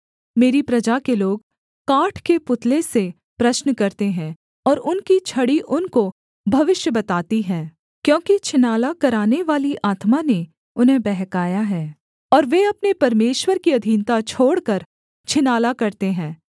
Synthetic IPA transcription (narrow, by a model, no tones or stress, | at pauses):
meːɾipɾɐd͡ʒakeloːɡ | kaːʈʰkepʊt̪lese | pɾɐʃnkɐɾt̪eɦɛ̃ː | ɔːɾʊnkit͡ʃʰɐɽiʔʊnko | bʱɐʋɪʃjəbɐt̪aːt̪iɦɛ̃ː | kjõːkit͡ʃʰɪnaːlakɐɾaːneʋaːliʔaːt̪mane | ʊnɦẽbɛɦkaːjaɦɛː | ɔːɾʋeɐpnepɐɾmeːʃwəɾkiɐd̪ʱiːnt̪at͡ʃʰoːɽkɐɾ | t͡ʃʰɪnaːlakɐɾt̪eɦɛ̃ː